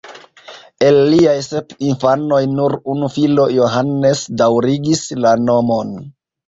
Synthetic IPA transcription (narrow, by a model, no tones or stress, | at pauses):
e̞lːiajse̞pinfano̞jnuɾunufilo̞jo̞ɦanːe̞sdawɾiɡislano̞mo̞n